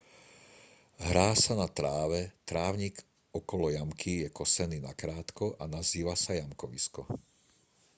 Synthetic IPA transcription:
ɦɾaːsanat̪ɾaːʋɛt̪ɾaːʊɲiɡ | ɔkɔlɔjamkʰijɛkɔsɛniːnakɾaːt̪kɔʔanaziːʋasajamkɔʋḭskɔ

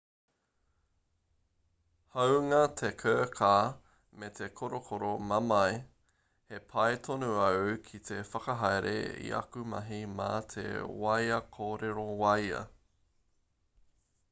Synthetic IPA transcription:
hɐwŋɐt̪ʰekʰəːkʰaː | met̪ʰekʰoɾokʰoɾomɐmɐj | hepʰɐjt̪ʰonuɐwwkʰit̪ʰefɐkɐɦajɾʔḛḭʔɐ̰kumɐ̰ɦima̰t̪ʰḛwɐjɐkʰoːɾeɾowɐjɐ̰

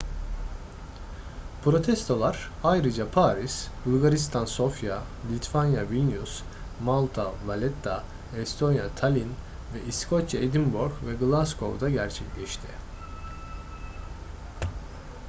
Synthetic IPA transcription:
pɾo̞t̪ʰɛst̪ʰo̞lˠaɾajɾɯd͡ʒapʰaːɾisbulˠɡaɾist̪ʰanso̞fja | lʲit̪ʰvanjavinʲjus | malˠt̪ʰavalʲɛt̪ʰːa | ɛst̪ʰo̞njat̪ʰalʲin | vɛʔiskʰot̪ʰed̪imbuɾɡvɛɡlˠaskʰo̞̰vd̪aɟæɾt͡ʃʰɛclʲɛʃt̪ʰɪ

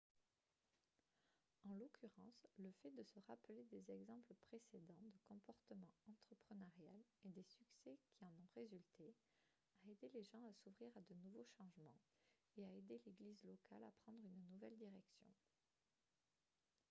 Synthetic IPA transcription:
ɑ̃lɔkʰʲyʁɑ̃sləfɛd̪əsəʁapled̪ezɛɡzɑ̃pləpχesed̪ɑ̃d̪əkɔ̃pɔʁt̪əmɑ̃ɑ̃t̪χəpχənaʁjaled̪esyksɛkʲʰiɑ̃nɔ̃ʁezylt̪ʰe | aed̪eleʒɑ̃asuvʁiʁad̪ənuvoʃɑ̃ʒmɑ̃ | eaed̪eleɡlizlɔkʰalapχɑ̃d̪ʁynnuvɛld̪iʁɛksjɔ̰̃

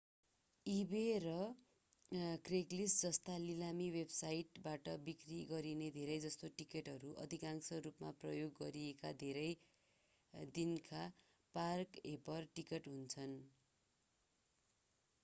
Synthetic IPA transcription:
iberʌ | kreklisd͡zʌst̪alilamiwebsajʈbaʈʌbikriɡʌɾined̪ʱeɾʌjd͡zʌst̪oʈikeʈɦʌɾuʔʌ̰d̪ʱikaŋsʌrupma̰prʌjoɡːʌɾiekad̪ʱeɾʌj | d̪inkʰa | parkepʌrʈikʌʈɦunt͡sʰʌn

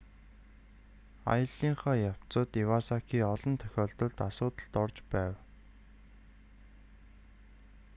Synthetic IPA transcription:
a̰jə̆ɮiːŋχaːjaw̥t͡sə̆ːt̪iwasakiːɔɮɞ̆nt̪ʰœ̥xʲɔːɮt̪ɞ̆ɮt̪asʊːt̪ə̆ɮt̪ɔrt͡ɕpæːw

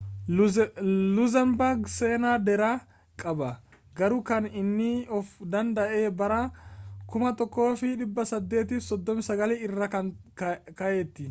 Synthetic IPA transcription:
lʊzɐmbɐɾɡseːnaːd̪ɛɾaː | kʼɐbɐ | ɡɐɾuːkɐnɪnːɪɔfd̪ɐnd̪ɐʔeːbɐɾaːkʊmɐt̪ɔkːo̞ːfɪᶑɪbːɐsɐd̪ːe̞ːt̪iːfsɔd̪ːɔmɪsɐɡɐleɪrːɐkɐnkɐʔeːt̪ːɪ

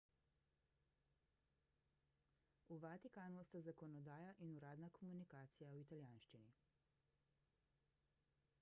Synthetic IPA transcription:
uʋat̪ikaːnust̪azakɔnɔd̪aːjaʔinuɾaːd̪nakɔmunikaːt̪sijawit̪aljaːnʃt͡ʃini

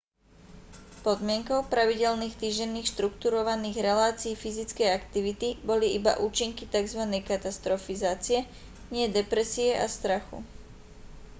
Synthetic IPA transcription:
pɔd̪mɪɛŋkɔʊpɾaʋiɟɛlniːxt̪iːʒɟɛnːiːxʃt̪ɾukt̪uɾɔʋaniːɣɾɛlaːt͡siːfizit͡skɛjakt̪iʋit̪ibɔliiba̰ʔuːt͡ʃiŋkit̪aɡzʋanɛjkat̪ast̪ɾɔfizaːt͡siɛ | ɲɪɛd̪ɛpɾɛsiɛʔa̰st̪ɾaxṵ

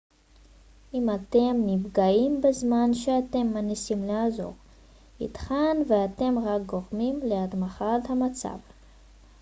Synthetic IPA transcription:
ʔimatemːivɡaimbezmanʃeate̞mːanisimleazo̞̰ʁ | ḭt̪χanveate̞mʁak̚ɡo̞ʁmimlead̪maχathamat͡sa̰v

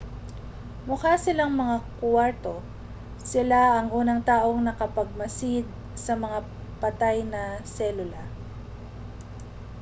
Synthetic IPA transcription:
mʊkasɪlaŋmɐŋakwaɹt̪o̞ | sɪlaɐŋʔuːnɐŋt̪aːʔo̞ŋnɐkɐpɐɡ̚mɐsɪd̪̚ | sɐmɐŋa | pɐt̪ajnɐsɛlʊlɐ

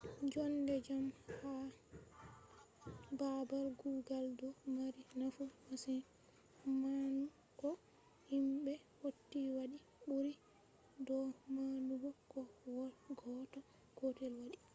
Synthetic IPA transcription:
d͡ʒɔndɛd͡ʒamha | babalɡuːɡaldɔmaɾinafumasi | manu | kɔ | himɓɛ | hotːiwaɗi | ɓuɾi | dɔmanuɡɔkɔwɔɡɔtɔ | ɡ̥otɛlwaɗi

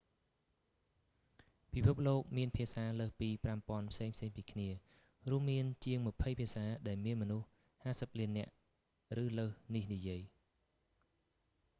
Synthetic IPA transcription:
pipʰup̚loːk̚miənpʰiəsaːləːhpiːprampŏənpʰseːŋpʰseːŋpiːkʰniə | ruəmːiənt͡ɕiəŋmɨ̆pʰəjpʰiəsaːɗaɛlmiənmɔnuh | haːsəp̚liənːɛ̆əʔ | rɨːləːhnihnijiəj

